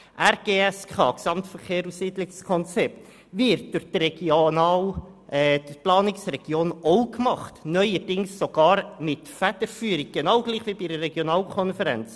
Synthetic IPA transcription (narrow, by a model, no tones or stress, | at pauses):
ʔæɾɡ̥eːɛskʰɑ̰ːksɑmtfəɾkʰeːɾusiːdlɪkskʰɔnt͡sɛp̚t | vɪɾt̚d̥ʊχd̥rɛɡ̥nɑ | d̥plɑːnɪksrɛɡ̥joːnoʊkmɑχtnœʏədɪŋsːoɡ̥ɑːɾmɪtfædəɾfyːɾɪk̚ɡ̥enɑʊɡ̥liːχviːbiːɾərɛɡjonɑːlkʰɔnfəɾɛ̰nt͡s